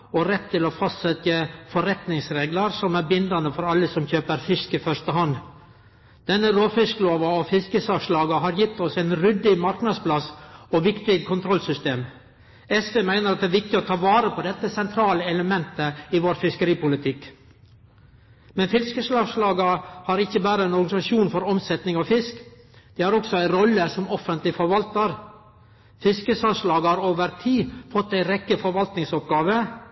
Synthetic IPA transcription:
ɔɾɛt̪ʰːɪlɔfɑst̪sɛt̪əfɔɾɛt̪nɪŋsɾeːɡlɑɾsɔmæɾbɪnd̪ɑnəfɔɾɑlːəsɔmçøːpəɾfɪskɪfœʂt̪əɦɑn | d̪̥ɛnːəɾoːfɪskloːʋɑɔfɪskəsɑʋʂlɑːɡɑɦɑɾjɪt̪ːɔsæɪnɾʏd̪ɪmɑɾknɑd̪splɑsɔʋɪkt̪ɪkʰʊnt̪ʰɾɔlsʏst̪eːm | ɛsfeːmæɪnəɾɑt̪̚d̪ɛæːɾʋɪk̚t̪ɪɔt̪ʰɑːʋɑːɾəpʰɔd̪ɛt̪ːəsɛnt̪ʰɾɑːləɛləmɛnt̪əɪʋoːɾfɪskəɾiːpʊlɪt̪ʰɪk | mɛnfɪskəslɑːʂlɑːɡɑhɑːɾɪçːəbæːɾəæɪnɔɾɡɑnɪsɑʃuːnfɔɾɔmsɛt̪nɪŋɑfɪsk | d̪̥ɛːhɑɾɔksɔæɪɾɔlːəsɔmɔfənt̪lɪfɔɾʋɑlt̪əɾ | fɪskəsɑʂlɑːɡɑɾoːʋəɾt̪ʰiːfɔt̪ːæɪɾɛkːəfɔɾʋɑlt̪nɪŋsɔp̚ɡɑːʋə

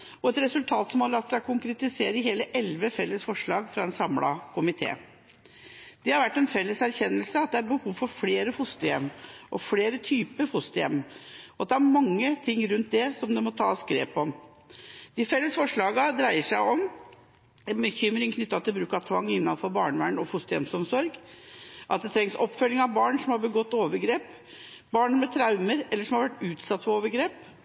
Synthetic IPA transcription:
ɔɛt̪ɾɛsʉlt̪ʰɑːt̪smoːlɑt̪sækʰʊŋkɾɛt̪ɪseːɾəɦeːləʔɛlʋəfɛlːəsfɔʂɭɑːɡfɾɑɛnsɑmlɑ̰kʰʊmɪt̪ʰḛː | d̪̥ɛhɑɾʋæʈːɛnfɛlːəsæɾçɛnːəlsəɑt̪̚d̪ɛæɾbəhuːʋfɔɾfleːɾəfʊst̪əjɛmːʔɔfleːɾət̪ʰyːpəɾfʊst̪əjɛ̰mːɔɑt̪̚d̪ɛææɾmɑŋːət̪ʰɪŋːɾʉnt̪̚d̪ɛsɔmd̪ɛmɔt̪ʰɑ̰ːskɾḛːpɔm | d̪̥ɪfɛlːəsfɔʂɭɑːɡɑd̪ɾæɪəʂæɪɔm | bəçʏmɾɪŋkʰnʏt̪ːɑt̪ɪlbɾʉːkɑt̪ʰʋɑŋːɪnːɑnfɔbɑːɳəʋæɳɔfʊst̪əjɛ̰msɔmsɔɾɡ | ʔɑ̰t̪̚d̪ɛt̪ʰɾɛŋsɔpːfœlːɪŋɑʋbɑːɳʂɔmhɑɾbəɡɔt̪ːoːʋəɾɡɾeːp | bɑːɳənmɛt̪ʰɾɑʉməɾɛlːəʂɔmhɑɾʋæʈːʉːt̪sɑt̪ːfɔɾoːʋəɾɡɾeːp

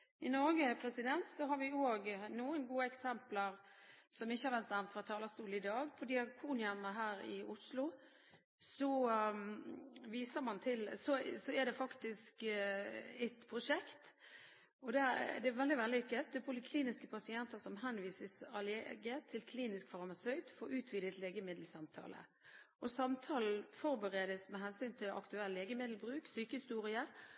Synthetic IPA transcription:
ɪnɔɾɡəpʰɾɛsɪd̪ɛnt̪sɔɦɑɾʋɪoːɡnuːənɡuːəɛksɛmpləɾsɔmɪçːəhɑɾʋɛnt̪ɑmfɾɑt̪ʰɑːləst̪uːlɪd̪ɑːɡfɔd̪ɪɑkʰuːnɪɑnəɦæːɾɪ̰ʊslʊ | sɔ | ʋiːsəɾmɑnt̪ʰɪlsɔsɔɛd̪ɛfɑkt̪ɪsk | ɛt̪pʰɾʊʂɛkt̪ | ɔd̪æd̪ɛæʋɛld̪ɪʋɛld̪ɪkːət̪̚d̪ɛpʰʊlɪkʰliːnɪskəpʰɑsɪɛnt̪əsɔmɦɛnʋiːsəsɑleɡət̪ʰɪlkʰliːnɪskfɑʁmɑsœʏd̪fɔːɾʉːt̪ʰʋiːd̪ət̪leːɡəmɪd̪l̩sɑmt̪ʰɑ̰ːlʔə̰ | ɔsɑmt̪ʰɑːln̩fɔɾbəʁeːd̪əsmɛɦɛnsyːnt̪ʰɪlɑ̰kt̪ʉɛlːlːeːɡəmɪd̪l̩bɾʉːksyːkəhɪst̪uːɾɪə

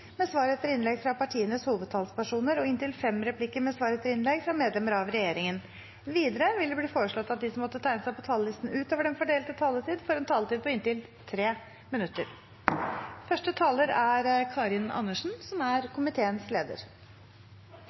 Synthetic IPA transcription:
mɛsʋɑːɾɛt̪ːəɾɪnlɛɡfɾɑpɑʈʰiːənəshuːʋəd̪̚t̪ʰɑːlspæʂuːnəɾɔɪnt̪ɪlfɛmɾɛpʰlɪkːəɾmɛsʋɑːɾɛt̪ːəɾɪnlɛɡfɾɑmeːd̪lɛməɾɑʋɾɛjeːɾɪŋən | ʋiːd̪əɾəʋɪld̪ɛbliːfoːɾəʂɭɔt̪ːɑt̪̚d̪ɪsɔmːɔt̪ːət̪ʰæɪnəsæɪpɔt̪ʰɑːləlɪst̪n̩ʉːt̪oːʋəɖɛnfɔɖeːlt̪ət̪ʰɑːlət̪ʰiːd̪fɔɾɛnt̪ʰɑːlət̪iːd̪̚pʰɔɪnt̪ɪl | t̪ʰɾeː | mɪnʉt̪ːə̰ɾ | fœʂʈət̪ʰɑːləɾæɾkʰɑːɾɪnɑ̰nːəʂn̩sɔmæɾkʰʊmɪt̪ʰeːənsleːd̪ə̰ɾ

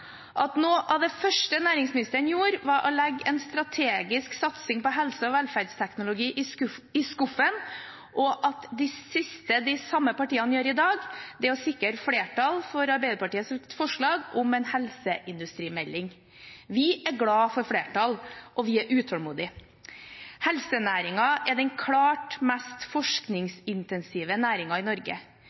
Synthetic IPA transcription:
ʔɑt̪noːʔɑd̪ɛfœʂʈənæːɾɪŋsmɪnɪst̪əɾənjuːɾʋɑɾʔɔlɛɡːɛnst̪ɾɑt̪ʰeːɡɪsksɑt̪sɪŋpɔɦɛlsəɔʋɛlfæɾɖst̪ʰɛknʊlʊɡiːʔɪskʊfən | ʔɔʔɑt̪d̪ɪsɪst̪əd̪ɪsɑmːəpɑʈiːɑnəjøːɾɪd̪ɑːɡd̪ɛɔsɪkəɾfleːʈɑlfɔɾɑɾbæɪd̪əpɑʈiːəsɛt̪fɔʂɭɑːɡʊmɛnhɛlsəʔɪnd̪ʉst̪ɾiːmɛlːɪŋ | ʋɪʔæɾɡɽɑːfɔɾfɽeːʈɑlʔɔʋɪæɾʔʉːt̪ʰɔlmuːd̪ɪ | hɛlsənæːɾɪŋɑʔɛɖɛnkʰlɑːʈmæst̪fɔʂknɪŋsɪnt̪ɛnsiːʋənæːɾɪŋɑɪnɔɾɡə̰

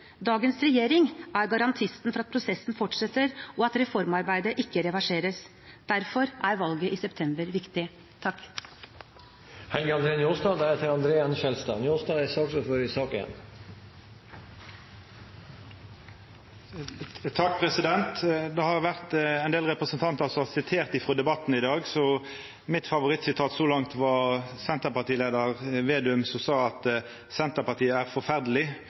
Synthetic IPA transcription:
d̪ɑːɡənsɾɛjeːɾɪŋʔæɾɡɑɾɑnt̪ʰɪst̪nfɔɾɑt̪pʰɾʊsɛsːn̩fɔʈʂɛt̪ːəɾɔɑt̪ɾɛfɔɾmɑɾbæɪd̪əʔɪkːəɾɛʋɑʂeːɾəs | d̪̥æɾfɔɾʔæɾʋɑlɡəʔiːsɛpt̪ʰɛmbəɾʋɪkt̪ɪ | t̪ʰɑkː | hɛlɡəɑnd̪ɾeːnjuːst̪ɑːd̪æɾhɛːt̪əɾɑnd̪ɾeːɛnʃɛlst̪ɑ̰ːnjust̪ɑːɛsɑːksɔfɔɾɪsɑːkɪjɛ̰n | t̪ʰɑkːpʰʁɛsɪd̪ɛnt̪d̪ɛhɑʁʋæʁt̪æɪnd̪eːlʁɛpʁəsən̩t̪ʰɑnt̪əsɔɑsɪt̪ʰeːʁt̪ɪfʁɔːd̪ɛbɑt̪ːn̩ɪd̪ɑːɡsɔ | mɪt̪fɑʋʊʁɪt̪sɪt̪ʰɑːt̪sɔlɑŋt̪ʋɑsɛnt̪əpɑʁt̪iːleːd̪əʁʋeːd̪ʉʉmsɔsɑːɑt̪ | sɛnt̪əpɑʁt̪ʰiːəæːʁfɔʁfæʁd̪əlɪ

